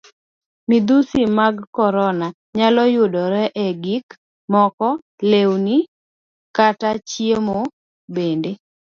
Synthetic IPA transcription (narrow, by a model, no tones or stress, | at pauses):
mid̪usimaɡkɔɾɔna | ɲalɔjʊdɔɾɛʔeɡik | mɔkɔ | lewni | katat͡ʃiemo | bende